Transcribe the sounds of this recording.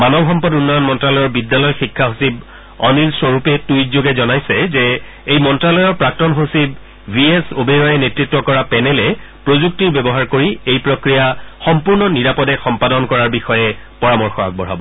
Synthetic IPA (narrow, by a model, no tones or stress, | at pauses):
manɔbxɔmpɔdunːɔjɔnmɔntɹalɔjɔɹbidːalɔjxikʰːaɦosib̚ | ɔnilsɔɹupɛtujtzoɡɛzɔnajsɛzɛ | ejmɔntɹalɔjɔɹpɹak̚tɔnɦosib̚ | bʱiesobeɹɔjɛnetɹitːwɔkɔɹapɛnɛlɛ | pɹozuk̚tiɹbɛbɔɦaɹkoɹiejpɹokɹijaxɔmpuɹnɔniɹapɔdɛxɔmpadɔnkɔɹaɹbixɔjɛpɔɹamɔɹxɔa̰k̚bɔɹa̰bɔ